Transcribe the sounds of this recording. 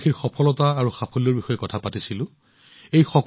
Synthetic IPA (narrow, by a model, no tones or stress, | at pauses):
xʰiɹxɔpʰɔlɔtaːɹuxapʰɔlɔɹbixɔjɛkɔtʰapatisilʊ̃ | ejxɔk